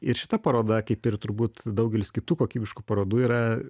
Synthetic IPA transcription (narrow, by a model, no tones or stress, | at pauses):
ɪɾʃʲɪ̥t̪ɐpɐɾoːd̪ɐkɐɪpɪrt̪ʊɾbuːt̪d̪ɐʊɡʲɛlʲɪskʲɪt̪uːkoːkʲiːbʲɪʃkupɐɾoːd̪uːiːɾɐ